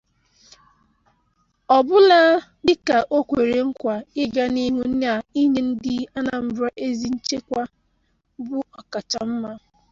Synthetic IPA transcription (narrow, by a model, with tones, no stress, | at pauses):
ɔ˨bʊ˦la˦ | dɪ˦ka˨ʔo˦kʷe˨ɾe˨ŋ̩˦kʷa˨ɪ˦ɡa˦ni˦ɦu˦n̩˦n˦a˨i˦ɲe˦n̩˦dɪ˦a˦na˨m̩˦bɾa˦ʔe˦zi˦n̩˦t͡ʃe˦kʷa˦ | bʊ˦ɔ˨ka˨t͡ʃa˨m̩˦ma˦